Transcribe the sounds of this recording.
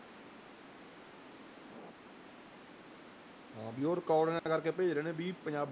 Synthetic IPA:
ɦãːbiːoːɾkɔːɽŋãːkəɾkeːpeːd͡ʒɾeːnẽːbiːpəɲd͡ʒaːb

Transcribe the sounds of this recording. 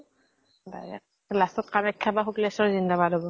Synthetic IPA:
ba̰ɛ̰ | lastɔt̚qanɛkʰːabaxuklɛsɔɹzindabadɔbɔ

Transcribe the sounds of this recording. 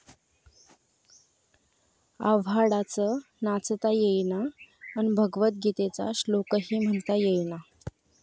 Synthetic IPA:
a̰ʋaɽat͡sə | nat͡sət̪ajejnaːnibʱəɡʋət̪̚ɡʱit̪et͡sa̰ɕlokəɦiːm̤əɳt̪ajejna

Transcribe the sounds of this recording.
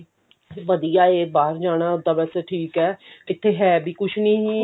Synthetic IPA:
ʋəd̪ijaːeːbaːəɾd͡ʒaːɽ̃aːʊd̪aːbɛːsɛːʈʰiːkɛːɪt̪ʰːeːɦɛːbiːkʊʃʰnĩːɦiː

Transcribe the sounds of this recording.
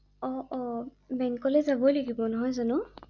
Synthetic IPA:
ɔɔ | bɛŋkɔlɛzabɔjlaɡibɔnɔɦɔjzanʊ

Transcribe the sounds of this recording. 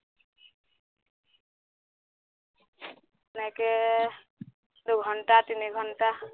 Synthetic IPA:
nake | d̪uɡʱɔɳʈat̪iniɡʱɔnʈa

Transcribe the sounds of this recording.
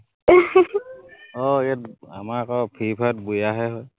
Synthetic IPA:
ɔijat̚a̰maɹakɔpʰipʰat̚bujaɦɔjɦɔj

